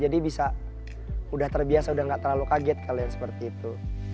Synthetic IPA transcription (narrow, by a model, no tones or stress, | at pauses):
d͡ʒadibisa | udaht̪ərbiasaudahŋɡaʔt̪ərlalukaɡɛt̪̚kʰalojaŋsə̥pərt̪iːt̪u